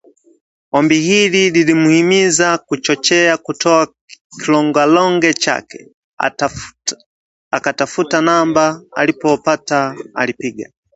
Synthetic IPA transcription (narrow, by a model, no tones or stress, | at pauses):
ɔmbihilililimuhimizakut͡ʃɔt͡ʃɛakutɔa | kilɔŋɡwalɔŋɡɛt͡ʃa̰kɛ̥ | akatafutanambaa̰lipɔpataa̰lipiɡa̰